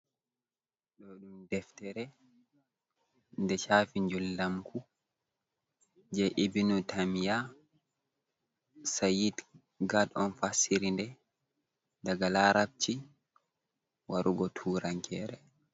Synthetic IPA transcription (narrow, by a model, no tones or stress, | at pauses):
ɗɔɗumdɛftɛɾɛ | ndɛt͡ʃaːfiɲd͡ʒulːamkʰu | d͡ʒɛʔibinutʰamija | sajid | ɡadɔnfasiɾindɛ | daɡalaɾab̚t͡ʃi | waɾʔuɡɔtʰuːɾaŋkʰɛɾɛ